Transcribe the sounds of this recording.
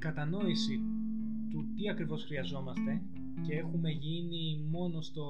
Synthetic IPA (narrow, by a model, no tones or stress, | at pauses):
kɐt̪ɐno̞isi | t̪ut̪iɐkɾivo̞sxɾiɐzo̞mɐst̪e̞ | ce̞e̞xume̞ʝini | mo̞no̞st̪o̞